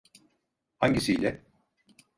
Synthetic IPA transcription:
haɲɟisijlʲɛ

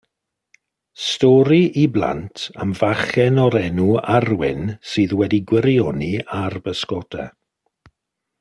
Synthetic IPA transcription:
stɔɾiʔiblˠa̰ntʰə̰mvaχɛnɔɾɛnuarwɪ̰nsɨːðwɛdiɡwɪɾjɔniarbəskɔdʰɛ̰

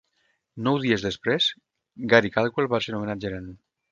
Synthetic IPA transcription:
nɔwðiezðespɾez̥ | ɡaɾikalˠkuelβaseɾomenad͡ʒeɾan

